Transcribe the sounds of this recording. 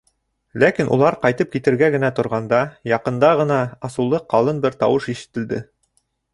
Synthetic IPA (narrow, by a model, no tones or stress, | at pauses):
lækinʔṵlˠɑɾqɑjt̪ɤp̚kit̪ɘ̆ɾɡæɡɘ̆næt̪ŏɾʁɑnd̪ɑjɑqɤ̆nd̪ɑʁɤ̆nɑːsulˠɤqːɑlˠɤnbɘɾt̪ɑwɤʃiʃɘ̆t̪ɘ̆ld̪ɘ